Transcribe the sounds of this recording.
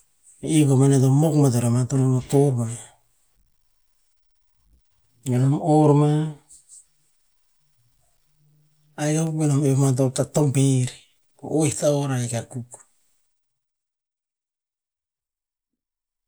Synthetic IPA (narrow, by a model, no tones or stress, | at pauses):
ikomanetomokmatoɾamatonomatoɾma | anomoɾma | ajkaukbenomemat̬otatompeɾi | o̰ojhtaoɾajkakuk